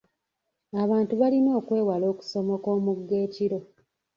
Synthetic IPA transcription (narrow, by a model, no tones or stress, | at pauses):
aβaːntuβalino̞ːkwe̞ːwalo̞ːku̥so̞mo̞koːmuɡːe̞ːciɾo̞